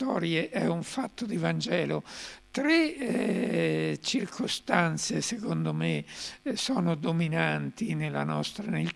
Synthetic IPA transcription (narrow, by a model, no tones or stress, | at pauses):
t̪ɔ̰ːɾjeʔɛuɱfat̪ːod̪ivand͡ʒɛːlot̪ɾe | t͡ʃirkʰost̪ant̪sesekond̪omesɔːnod̪ominant̪inelanɔst̪ɾanel